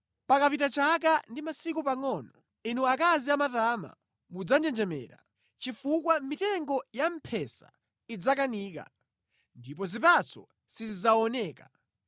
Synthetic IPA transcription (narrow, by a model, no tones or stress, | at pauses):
pakapitat͡ʃak̬andimasik̬upaŋɔːnɔ | inuakaziamatama̰ | mud͡zand͡ʒɛnd͡ʒɛmɛ̰ːɾa̰ | t͡ʃifuk̬wamitɛŋɡɔjam̩pʰɛsa̰ | id͡zakaniːka̰ | ndip̬ɔzip̬at͡sʰɔ | sizizaɔnɛːka